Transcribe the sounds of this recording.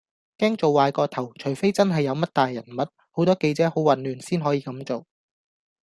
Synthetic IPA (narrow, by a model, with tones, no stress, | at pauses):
kɛː˥ŋt͡so˨wːaː˨˧jkɔː˧t̪ʰɐ˨˩wt͡ʃʰɵ˨˩ɥfe˥jt͡sɐ˥nɦɐ˨jːɐ˨˧wmɐ˥t̚t̪aː˨jːɐ˨˩nmɐ˨t̚ | ho˨˥wt̪ɔː˥ke˧jt͡sɛː˨˥ho˨˥wwɐ˨nlyː˨˩nsiː˥nɦɔː˨˥jiː˧kɐ˨˥mt͡so˨w